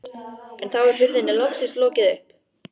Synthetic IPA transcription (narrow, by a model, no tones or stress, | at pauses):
ɛnθawɛɾ̥ɦʏɾðɪnːɪlɔksɪnslɔːcɪðʏhp̚